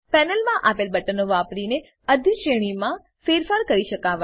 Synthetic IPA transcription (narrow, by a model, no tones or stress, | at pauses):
pɛnəlmãʔapelbəʈənːoʋapɾine | əd̪ʱiʃeɽ̃imã | feɾfaɾkəɾiʃəkaʋa